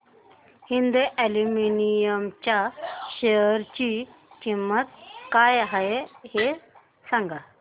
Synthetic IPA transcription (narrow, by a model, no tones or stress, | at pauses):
hind̪uʔeluminijəmt͡ɕaɕejəɾt͡ɕit͡ɕimːət̪̚kajɦajehe | sãŋɡa